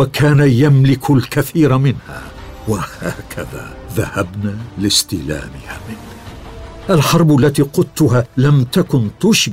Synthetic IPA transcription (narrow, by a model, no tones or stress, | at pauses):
wakʰaːnajamlɪkʰʊlkaθiːɾmɪnha̰ː | wahaːkʰaða̰ː | ðahabnaːlɪst̪ɪla̰ːmɪ̰haːmɪnhaʔalħɑɾˤblːat̪iːqʊt̪ːʊɦaːlamt̪akʊnt̪ʊʃb